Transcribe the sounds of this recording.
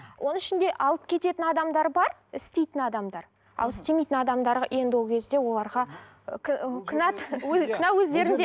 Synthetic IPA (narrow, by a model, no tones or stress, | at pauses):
wʔo̞nəŋɪʃɪnd̪e̞ʔɑlˠəp̚kʲʰe̞t̪e̞t̪ɪnɑd̪ɑmd̪ɑɾbɑɾɪst̪e̞jt̪ɪnɑd̪ɑmd̪ɑɾ | ɑ̰lˠɪst̪e̞mejt̪ɪnɑd̪ɑmd̪ɑɾɑʔjʔe̞nd̪ɪwokʲʰe̞zd̪e̞wo̞lˠɑɾʁɑ | kʲʰɪnɑt̪wɵnɑwɵzd̪e̞ɾɪnd̪e